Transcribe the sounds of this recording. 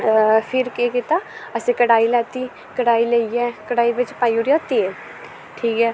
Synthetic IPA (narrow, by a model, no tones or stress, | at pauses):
fʰɪɾkekɪt̪aəsẽkəɽaːilɛːt̪i | kəɽaːileiɛːkəɽaːibət͡ʃpaːjuɾjat̪e | ʈʰiːkɛː